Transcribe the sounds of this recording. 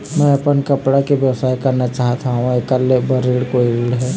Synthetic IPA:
mɛ̃ɐpənkɐpɽakeʋjɐwsaːikɐɾnat͡ʃaːɦt̪aɦũekalebɐɾeːɽkoːiɾiːɽɦɛː

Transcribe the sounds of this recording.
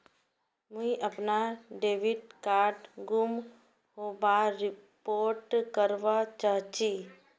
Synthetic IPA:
mũĩʔəpnaɖeːʋɪɖkaːɾʈɡum | ɦobaɾɪpoːɾʈkəɾʋat͡ʃaɦt͡ʃi

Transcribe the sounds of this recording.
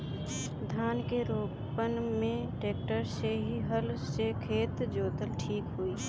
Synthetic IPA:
d̪ʱaːnkeɾoː | pənmẽʈeːk̚ʈəɾseɦiɦəlsekʰeːt̪d͡ʒoːt̪əlʈʰiːkɦuiː

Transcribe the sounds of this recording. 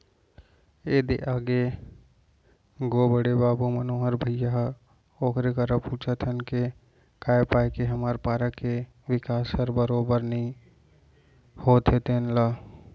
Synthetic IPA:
eːd̪ḛʔaːɡe | ɡoːbəɽebaːbumɐnoːɦəɾbʱəjaɦ | oːkʰɾekɐɾapuːt͡ʃʰət̪ʰənke | kaːepaːjkeɦɐmaːɾpaːɾake | ʋɪkaːsəɾbəɾoːbəɾnəĩ | hoːt̪ʰet̪eːnlaː

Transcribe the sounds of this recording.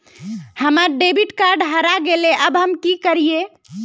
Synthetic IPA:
həməɾɖebiʈkaɾɖɦəɾaɡeleʔəbɦəmkikəɾije

